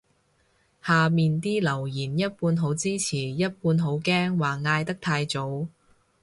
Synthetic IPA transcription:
haː˨˩miː˨nt̪iː˥lɐ˨˩wjiː˨˩njɐ˥t̚puː˧nɦo˨˥wt͡siː˥t͡sʰiː˨˩jɐ˥t̚puː˧nɦo˨˥wkɛː˥ŋwaː˨˩ŋaː˧jt̪ɐ˥k̚t̪ʰaː˧jt͡so˨˥w

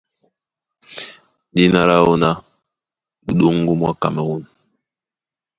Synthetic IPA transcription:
di˦na˦ɾa˦o˦na˦ | u˨ɗo˦ŋ˦ɡu˦mwa˦ka˨mɛ˨wo˦n

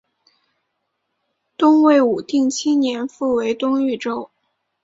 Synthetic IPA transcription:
t̪ʊ˥ŋwe˥˩ɪu˨˩t̪i˥˩ŋt͡ɕʰi˥njɛ˧˥nfu˥˩we˧˥ɪt̪ʊ˥ŋy˥˩ʈ͡ʂo˥ʊ

